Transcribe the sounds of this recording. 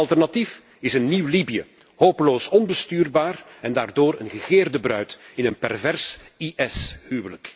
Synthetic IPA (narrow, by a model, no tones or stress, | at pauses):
ɑlˠtɛrnɑtif | ɪsənːiwlibijə̰ | hoːpəloːsɔnbəstyːrbaːr | ɛndaːrdoːɾənɣəɣeːrdəbrœɥtɪnənpɛrvɛrs | iʔɛshyːwələk